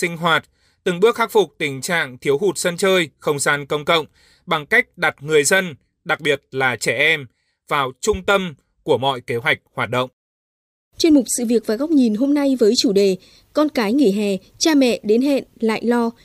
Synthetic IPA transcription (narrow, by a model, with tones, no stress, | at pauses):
sï˧ŋ̟ɦwaː˨˩t̚ | t̪ɨ˨˩ŋɓɨ˦˥ək̚xa˦˥k̚fʊ˨˩k͡p̚t̪ï˨˩ŋ̟t͡ɕa̰ː˧˨ŋt̪ʰi˨˦wɦu˨˩t̚sə˧nt͡ɕəː˧jxə˧wŋ͡mzaː˧nkə˧wŋ͡mkə̰˧˨wŋ͡m | ɓa˨˩ŋka˦˥jk̟̚ɗa˨˩t̚ŋɨ˨˩əjzə˧n | ɗa˨˩k̚ɓi˨˩ət̚laː˨˩t͡ɕɛ˧˩ʔɛ˧m | vaː˨˩wt͡ɕʊ˧ŋ͡mt̪ə˧m | ku˧˩əmɔ̰˧˨jke˨˦ɦwa˨˩jk̚hwaː˨˩t̚ɗə̰˧˨wŋ͡m | t͡ɕe˧nmʊ˨˩k͡p̚sɨ̰˧˨vi˨˩ək̚vaː˨˩ɣa˦˥wk͡p̚ɲi˨˩nɦo˧mna˧jvəː˨˦jt͡ɕu˧˩ɗe˨˩ | kɔ˧nkaː˨˦jŋḭ˧˩˨ɦɛ˨˩ | t͡ɕaː˧mɛ̰˧˨ɗe˨˦nɦɛ̰˧˨nla̰ː˧˨jlɔ˧